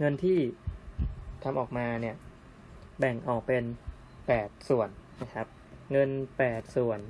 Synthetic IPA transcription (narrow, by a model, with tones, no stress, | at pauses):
ŋɤ˧nt̪ʰiː˥˩ | t̪ʰa˧mʔɔː˨˩k̚maː˧ni˥˩ə | bɛ˨˩ŋʔɔː˨˩k̚pe˧n | pɛː˨˩t̪̚su˨˩ənːa˦˥kʰa˦˥p̚ | ŋɤ˧npɛː˨˩t̪̚su˨˩ən